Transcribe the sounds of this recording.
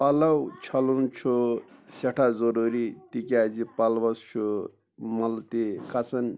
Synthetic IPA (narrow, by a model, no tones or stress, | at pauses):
ɐlɐwt͡ʃʰɐlunt͡ʃʰuseʈʰazɔɾuɾit̪ikʲazipalbɐst͡ʃʰu | mɐlt̪ikat͡sʰɐn